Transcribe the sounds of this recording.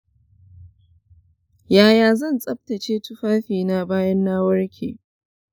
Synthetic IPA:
jaː˨jaː˨zɐ˦˨nsʼɐ˦b̚tɐ˨t͡ʃeː˦tʊ˦ɸaː˦ɸiː˨na˦baː˦jɐ˦nːa˦wɐ˦ɽkʲʰḛː˨

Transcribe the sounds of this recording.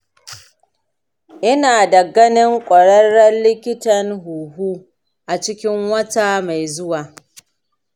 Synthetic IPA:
ʔɪ˦naː˨da˨ɡɐ˦nɪ˦ŋkʷʼɐ˨ɽɐ˦ɽːɐ˦nlɪ˦kʲɪ˦tɐ˨nɦuː˨ɦuː˦ | ʔa˨t͡ʃɪ˦kʲɪ˦ŋwɐ˦ta˦ma˨jzʊ˦waː˨

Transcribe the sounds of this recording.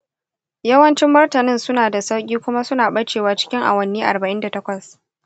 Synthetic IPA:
jɐ˦wɐ˦nt͡ʃɪ˦mːɐ˦rtɐ˨nɪ˦˨nsʊ˦naː˨da˨sa˦wkʲʼiː˦kʷʊ˦ma˦sʊ˦naː˨ɓɐ˦t͡ʃeː˨waː˨t͡ʃɪ̥˦kʲɪ˦ŋʔa̰˨wɐ˦nːiː˦ʔa̰˨rbɐ˨ʔɪ˦nda˨tɐ˦kʷɐ˨s

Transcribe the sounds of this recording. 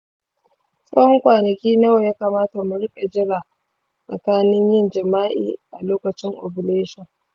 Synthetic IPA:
sʼɐ˦hɔ˦ŋkʷaː˨nɐ˨kʲiː˦nɐ˦wa˨jaː˦ka˨maː˦ta˨mʊ˨ɽɪ˦ɓʼe˨d͡ʒɪ˦ɽaː˨ | sɐ̰˨kaː˦nɪ˦ɲjɪ˦nd͡ʒɐ˨maː˦ʔḭː˨ʔa˨loː˦kɐ˨t͡ʃɪ˦ŋʔo˨bʊ˨leː˦ʃɔ˨ŋ

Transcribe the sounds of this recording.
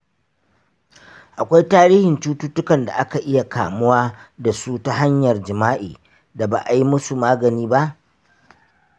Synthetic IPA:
ʔa˨kʷa˦jtaː˦ɾiː˦hɪ˨nt͡ʃuː˦tʊ˦tʊ˦kɐ˨nda̰˨ʔa˦ka˨ʔɪ˦ja˨ka̰ː˨mʊ˦waː˦da˨su˦ta˦ɦa˦ɲjɐ˨rd͡ʒɪ˨maː˦ʔḭː˨ | da˨ba̰ː˨ʔa˨ji˦mʊ˦su˨maː˦ɡɐ˨niː˦ba˦ʔ

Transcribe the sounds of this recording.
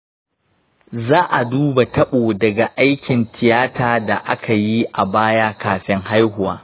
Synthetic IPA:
zaː˦ʔa˨duː˦ba˨tʰɐ˦ɓoː˨dɐ˨ɡa˨ʔa˦jkʲɪ˨ntɪ˨jaː˦tʰaː˦da˨ʔa˦kʰa˨ji˦ʔa˨baː˦ja˦kaː˨ɸɪ˦ŋha˦jɦʊ˨wa̰ː˦

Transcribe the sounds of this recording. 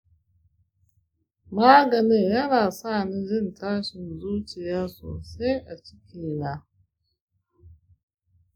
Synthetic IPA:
maː˦ɡɐ˨ni˦ŋjɐ˦naː˨saː˦˨ni˦d͡ʒɪ˦ntʰaː˦ʃɪ˨nzuː˦t͡ʃɪ˨jaː˦so̰ː˨se˦ʔa˨t͡ʃɪ˦kʲiː˨la˦

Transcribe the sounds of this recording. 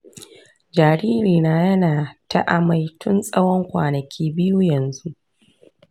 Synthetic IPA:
d͡ʒaː˨ɾiː˦ɾiː˨naː˦jɐ˦naː˨ta̰˦˨ʔa˨ma˨jtʊ˦nsʼɐ˦wɔ˦ŋkʷa̰ː˨nɐ˨kʲiː˦bɪ˦ju˦jɐ˨nzu˦ʔ

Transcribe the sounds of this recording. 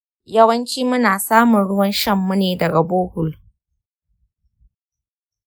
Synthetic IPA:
jɐ˦wɐ˦nt͡ʃiː˦mʊ˦naː˨saː˦mʊ˨nɽʊ˦wɐ˦nʃɐ˦mːu˦neː˨dɐ˨ɡa˨boː˦hʊ˨l

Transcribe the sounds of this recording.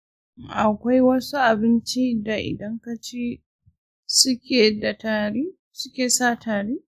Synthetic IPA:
ʔa˨kʷa˦jwɐ˦su˦ʔa˨bɪ˦nt͡ʃi˦da˨ʔɪ̰˨dɐ˦ŋka˦t͡ʃe˦ | sʊ˦kʲeː˨da˨taː˨ɽeː˦ | sʊ˦kʲeː˨saː˦˨tʰaː˨ɽeː˦

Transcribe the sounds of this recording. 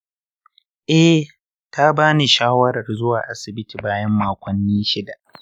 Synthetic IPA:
ʔɛ˦ | ta˦baː˦ni˨ʃaː˦wɐ˦ɾɐ˨rzʊ˦waː˨ʔa˦sɪ˨bɪ˦tiː˨baː˦jɐ˦mːaː˨kʷɐ˨nːiː˦ʃɪ˦da˨ʔ

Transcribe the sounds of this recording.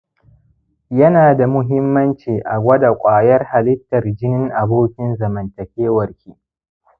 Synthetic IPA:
jɐ˦naː˨da˨mʊ˦ɦɪ˦mːɐ˦nt͡ʃiː˨ʔa˨ɡʷɐ˦da˨kʷʼaː˨jɐ˦rha˨lɪ˦tːɐ˨rd͡ʒɪ˦nɪ˦ŋʔa˨boː˦kʲɪ˦nzɐ˨mɐ˨ntɐ˨kʲeː˦wɐ˨rkʲiː˦ʔ

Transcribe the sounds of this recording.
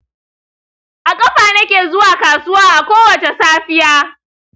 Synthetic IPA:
ʔa˨kʼɐ˦ɸaː˨nɐ˦kʲeː˨zʊ˦waː˨kaː˨sʊ˦waː˦ʔa˨kʷoː˦wɐ˨t͡ʃe˨saː˦ɸɪ˦jaː˦

